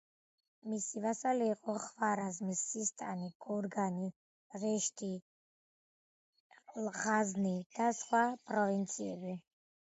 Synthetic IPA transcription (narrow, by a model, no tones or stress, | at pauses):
misivasalɛːqʼɔχvaɾazmisːist̪ʼaniɡ̥ɔɾɡani | ʁɛʃt̪ʰi | lʁaznid̪̥asχwapʼɾɔvint̪sʰiɛbi